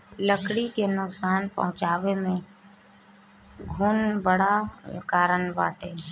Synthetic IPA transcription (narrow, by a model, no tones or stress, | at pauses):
ləkɽikenʊksaːnpə̰ɦʊ̃t͡ʃaːwemẽ | ɡʱuːnbəɽakaːɾəɳba̰ːʈe